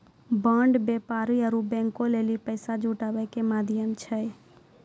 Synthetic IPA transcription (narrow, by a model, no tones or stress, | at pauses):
bəɳɖbepaɾiəɾubɛ̃ŋkõlelipəɪsad͡ʒuʈabəkemad̪ʱjəmt͡ʃʰəj